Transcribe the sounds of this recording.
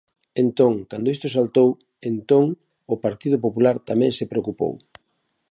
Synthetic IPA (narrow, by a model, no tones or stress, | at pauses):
ent̪õŋkand̪oist̪ʊsalt̪ow | ent̪oŋ | ʊpaɾt̪ið̞ʊpopulaɾt̪amɛ̃ŋsepɾeokupo̰w